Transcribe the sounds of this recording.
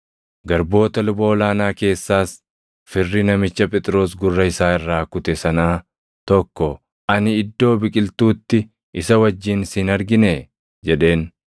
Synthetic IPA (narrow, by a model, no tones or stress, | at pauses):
ɡɐɾbo̞ːt̪ɐlʊboːɔlaːnaːke̞ːsːaːs | fɪrːɪnɐmɪt͡ʃːɐpʼɛt̪ʼɾo̞ːs̬ɡʊrːɐɪsaːɪrːaːkʊt̪ɛsɐnaː | t̪ɔkːɔ | ɐnɪːd̪ːo̞ːbɪkʼɪlt̪uːt̪ːɪ | ɪsɐwɐd͡ʒːiːnsɪnɐɾɡɪneː | d͡ʒɛᶑe̞ːn